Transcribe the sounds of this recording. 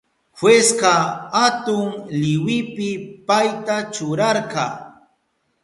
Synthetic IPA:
xwesqɑhat̪ʊŋlɪwɪpɪpajt̪at͡ʃʊɾaɾqɑ

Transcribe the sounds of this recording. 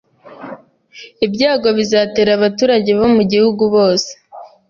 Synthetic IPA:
ibɟaːɡo̞βizaːte̞ːɾaβatuːɾaɟe̞βo̞muɟihuɡuβo̞ːse̥

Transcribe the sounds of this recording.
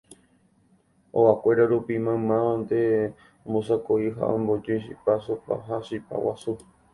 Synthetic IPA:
o̰ʔakʷe̞ɾaɾupimãmãand̪e | õmbõsakoiɦa̰õ̰mbod͡ʒiiʃḭpasupa̰ɦaʃipa̰wasu

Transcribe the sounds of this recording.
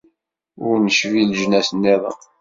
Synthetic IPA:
ʊɾnəʃvilʒnæsənːeðˤə̰

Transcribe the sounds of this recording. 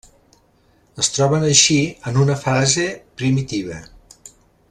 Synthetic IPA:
əst̪ɾɔβənəʃiənunəfazepɾimit̪iβ̞ə

